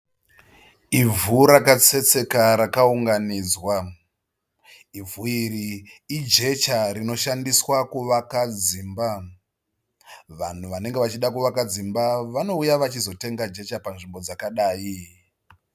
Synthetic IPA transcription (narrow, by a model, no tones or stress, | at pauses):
ivʱuɾakat͡se̞t͡se̞kaɾakauŋɡaniːd͡zwa | ivʱuiriːd͡ʒe̞t͡ʃaɾino̞ʃandiswakuʋakad͡ziːmba | ʋan̤uʋane̞ŋɡe̞ʋat͡ʃiɗakuʋakad͡zimbaʋano̞ujaʋat͡ʃizo̞te̞ŋɡad͡ʒe̞t͡ʃapanʐimbo̞d͡zakaɗaːji